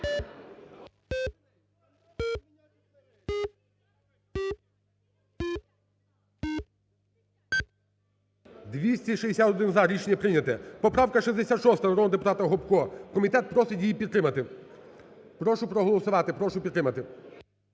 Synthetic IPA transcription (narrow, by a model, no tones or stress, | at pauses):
d̪ʋʲisʲtʲiʃid̪esʲat̪ɔd̪ɪnzɐɾʲit͡ʃenʲːɐpɾɪnʲɐt̪ɛpɔpɾɑwkɐʃizd̪esʲat̪ʃɔst̪ɐnɐɾɔd̪ɔd̪epʊt̪ɑt̪ɐɦɔbkɔkɔmʲit̪ɛt̪̚pɾɔsɪtʲjijipʲid̪ːɾɪmɐt̪ɪ | pɾɔʃʊpɾɔɦɔlˠɔsʊʋɑt̪ɪpɾɔʃʊpʲid̪ɾɪmɐt̪ɪ